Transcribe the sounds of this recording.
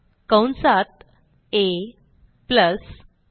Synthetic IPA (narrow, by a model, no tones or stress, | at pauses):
kəwnsat̪̚ | e | pləs